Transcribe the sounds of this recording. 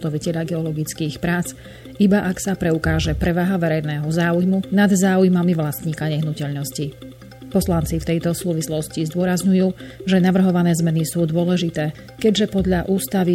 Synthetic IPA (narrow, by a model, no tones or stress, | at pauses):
t̪ɔʋicɛʎaɡɛɔlɔɡit͡skiːxpɾaːt͡s | ibaʔaksapɾɛukaːʒɛpɾɛʋaːɦaʋɛɾɛjnɛːɦɔzaːujmunad̪zaːujmamiʋlast̪ɲiːkaɲɛɦnucɛʎnɔsci | pɔslant͡sift̪ɛjt̪ɔsuːʋislɔscizd̪ʊɔɾazɲujuːʒɛnaʋr̩ɦɔʋanɛːzmɛnisuːd̪ʊɔlɛʒit̪ɛː | kɛɟʒɛpɔd̪ʎaʔuːst̪aʋi